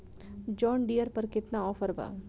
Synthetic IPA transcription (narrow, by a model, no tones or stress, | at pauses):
d͡ʒɔːnɖijəɾpəɾkɪt̪naɔːfəɾba̰ː